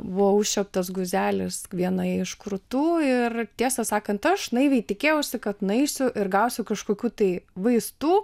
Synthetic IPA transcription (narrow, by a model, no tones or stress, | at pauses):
ʋoːʊʃʲt͡ʃʲɛp̚t̪ɐs̬ɡʊzʲæːlʲɪsʋʲiɛnɐɪʃkɾʊt̪uːɪrt̪ʲiɛsɐsɑːkɐnt̪ɐʃʒnɐɪʋʲɛɪt̪ʲɪkʲeːjɛʊsʲɪkɐt̪nɐɪsʲʊʔɪɾɡɐʊsʲʊkɐʃkoːkʲuːt̪ɐɪʋɐɪst̪uː